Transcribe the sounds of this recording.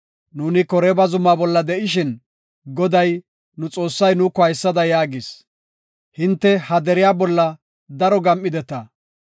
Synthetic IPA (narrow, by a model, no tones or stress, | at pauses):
nuːnɪkɔɾɛbɐzʊmaːbɔlːɐd̪ɛʔɪʃɪn | ɡɔd̪ɐj | nʊt͡sʼo̞ːsːɐjnʊkɔɐjsːɐd̪ɐjaːɡɪs | hɪnt̪ːɛhɐd̪ɛɾɪjaːbɔlːɐ | d̪ɐɾɔɡɐmʔɪd̪ɛt̪ɐ